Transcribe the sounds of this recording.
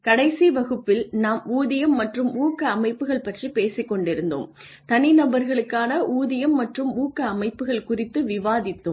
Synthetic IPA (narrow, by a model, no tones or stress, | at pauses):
kɐɽɐɪsiʋɐɣɯpːɪlnaːmuːðɪjɐmːɐʈrɯmuːkɐːmɐɪpːɯɣɐɭpɐʈripeːsɪkːɔɳɖɪɾɯnd̪o̰m | t̪ɐnɪnɐbɐɾɣɐɭɯkːaːnɐʔuːðɪjɐmːɐʈrɯmuːkːɐːmɐɪpːɯɣɐɭkʊrɪt̪ːɯʋɪʋaːðɪt̪ːɯm